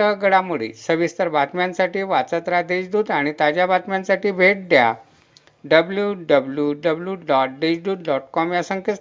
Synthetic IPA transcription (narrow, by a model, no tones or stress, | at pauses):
əɡəɽamuɭḭsəʋist̪əɾbat̪mãnsaʈiːʋat͡sət̪ɾad̪eɕd̪uːd̪aɽ̃it̪ad͡ʑjabat̪mjãnsaʈiːbʱeʈ̚d̪ja̰ | ɖəbljuɖəbljuɖəbljuɖɔʈ̚ɖed͡ʑd̪uːd̪̚ɖɔʈkɔmjasəŋkə